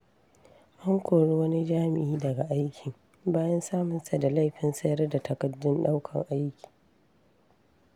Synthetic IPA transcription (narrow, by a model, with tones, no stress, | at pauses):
ʔa˦ŋkʷoː˨ɽu˦wɐ˦ni˦d͡ʒaː˦mɪ˨ʔiː˦dɐ˨ɡa˨ʔa˦jkʲʰɪ˨ŋ | baː˦jɐ˦nsaː˦mʊ˨nsa˨da˨la˦˨jɸɪ˨nsɐ˦jɐ˦rda˨tʰɐ˨kɐ˨dːʊ˦nɗa˦wkʰɐ˨ŋʔa˦jkʲi̥ː˨